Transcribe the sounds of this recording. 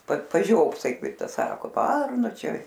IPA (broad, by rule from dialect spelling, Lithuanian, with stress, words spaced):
pɐt pɐˈʒʲoːpsɐɪ ˈkɐɪp ˈtɐs ˈsɑːkoː ˈʋɐrnʊ ˈt͡ʃʲɛ